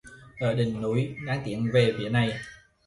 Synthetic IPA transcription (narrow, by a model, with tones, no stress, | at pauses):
ʔəː˧˩ɗï˨˩ŋ̟nu˨˦jɗaː˨˦ŋt̪ḭ˧˩˨ənve˨˩vḭ˧˩əna˨˩j